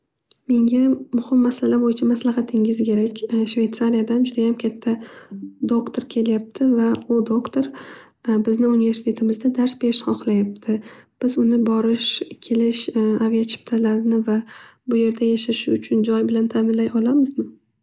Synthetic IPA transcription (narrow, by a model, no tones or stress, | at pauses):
me̞ŋʲamʊhɪmːasalabojɪt͡ʃʰamaslaɦɑt̪ʰɪŋɪzkʲʰe̞ɾakʲʃve̞jt̪saɾijad̪and͡ʒʊd̪ajamkʲʰat̪ʰːad̪okt̪ʰoɾkʲʰe̞ljap̚t̪ʰɪvaʊd̪okt̪ʰoɾ | bɪznɪunɪve̞ɾsɪ̥t̪ʰe̞t̪ʰɪmɪzd̪ad̪aɾsbe̞ɾɪʃhɒχlajap̚t̪ʰɪb̥ɪzʊnɪbɒɾɪʃkʲʰelɪʃavijat͡ʃʰɪ̥pt̪ʰalaɾnɪvabʊje̞ɾd̪ajaʃaʃɪʊt͡ʃʰʊnd͡ʒɒjbɪlant̪ʰamɪnlajɒlamɪzmɪ